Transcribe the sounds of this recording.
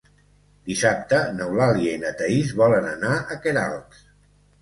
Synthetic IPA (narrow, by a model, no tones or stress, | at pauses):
d̪̥isap̚t̪ənəwlaljiəinət̪əizβɔlənənaʔəkeɾalˠk